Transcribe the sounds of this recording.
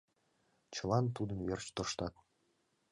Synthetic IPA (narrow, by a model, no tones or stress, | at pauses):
t͡ɕɤ̆lˠɑnt̪ud̪ə̆mvert͡ɕt̪ŏʃt̪ɑt̪̚